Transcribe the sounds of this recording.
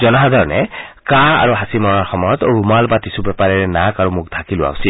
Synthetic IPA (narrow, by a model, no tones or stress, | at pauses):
zɔnaɦadʱɔɹɔnɛ̰kaa̰ɹuɦasimɔɹaɹxɔmɔjɔt̪ɹumalbatisubɛpaɹɛɹɛnakaɹumʊk̚t̪ʰakilʊa̰ʊsil